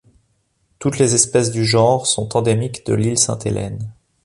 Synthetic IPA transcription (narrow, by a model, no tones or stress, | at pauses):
t̪ut̪lezɛspɛs̬d̪yʒɑ̃ʁsɔ̃t̪ɑ̃d̪emikd̪ə̰lilsɛ̰̃t̪ʰelʔɛ̰n